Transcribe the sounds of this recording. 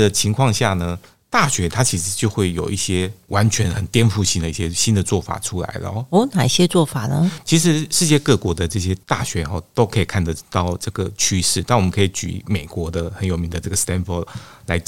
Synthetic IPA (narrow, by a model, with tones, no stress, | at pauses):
ə˨t͡ɕʰi˧˥ŋkʰwɑ˥˧ŋɕja˥˩nə˩ | t̪a˥˩ɕɥɛ˧˥t̪ʰa˥t͡ɕʰi˧˥ʂɻ̩˧˦t͡ɕjo˥˧xwe˥˩ɪjo˨˩ʊʔi˥˩ɕjɛ˥wa˧˥nt͡ɕʰɥɛ˧˥nxə˨˩nt̪jɛ˥nfu˥˧ɕi˥nd̪ə˩i˥˩ɕjɛ˥ɕi˥nd̪ə˨t͡swɔ˥˩fa̰˨˩ʈ͡ʂʰu˥la̰˧˥ɪlə̰˧˦ɔ˥na˨˩ɕjɛ˥t͡swɔ˥˩fa˨˩nə̰˦t͡ɕʰi˧˥ʂ̬ɻ̩˧˥ʂɻ̩˥˧t͡ɕjɛ˥˧kɤ˥˩kwɔ˧˥d̪ə˨ʈ͡ʂɤ˥˩ɕ̬jɛ˥t̪a̰˥˩ɕɥɛ˧˥xɔ˧˩t̪o˥ʊkʰɤ˧˥i˨˩kʰa˥˩nd̪ə˩t̪ɑ˥˩ʊʈ͡ʂɤ˥˩ɡə˩t͡ɕʰy˥ʂɻ̩˥˩t̪a˥˩wmə˦ŋkʰi˧˩t͡ɕy̰˨˩me˨˩ɪkwɔ˧˥d̪ə˧xə˧˥njo˨˩mi˧˥ŋd̪ə˧ʈ͡ʂɤ˥˩ɡə˩st̪ɛ˥nfɔ˥˩la˧˥ɪ